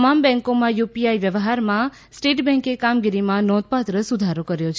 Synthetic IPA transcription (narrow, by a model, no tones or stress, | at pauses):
mambɛ̃ŋkomãjupiaiʋjəʋɦaɾmã | sʈeʈbɛ̃ŋkekamɡiɾimãnɔd̪̚pat̪ɾəsud̪ʱaɾokəɾjot͡ʃʰ